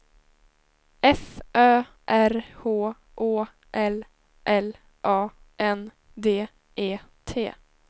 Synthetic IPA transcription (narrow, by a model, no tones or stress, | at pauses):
ɛfʔœː | ʔæɾhoː | ʔoː | ʔɛl | ʔɛl | ʔɑː | ʔɛn | d̪eː | ʔeːt̪ʰḛː